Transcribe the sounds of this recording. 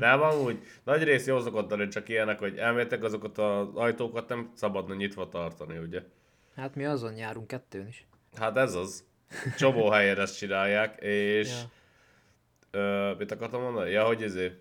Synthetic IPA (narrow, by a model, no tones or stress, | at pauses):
nɛmɒmuːɟ | nɒɟreːsjoːlsokot̪ːɒnit͡ʃɒkijɛnːɛkho̞ɟɛlmeːjt̪ːɛkɒzo̞kɒt̪ɒzɒjt̪oːkɒt̪nɛmsɒbɒd̪nɒɲit̪ʋɒt̪ɒrt̪ɒniuɟɛ | hat̪miɒzo̞njaːɾuŋkːɛt̪ːøːniʃ | hat̪ɛzɒz | t͡ʃo̞moːɦɛjɛd̪ɛst͡ʃinaːjːaːkeːʃ | øːmit̪ɒkɒrt̪ɒmːo̞nd̪ɒnijɒɦo̞ɟizeː